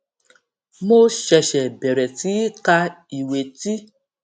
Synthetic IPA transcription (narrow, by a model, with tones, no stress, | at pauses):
mo˦ʃɛ˧ʃɛ˨bɛ˨ɾɛ˨ti˨˦ka˧ | i˨we˨ti˦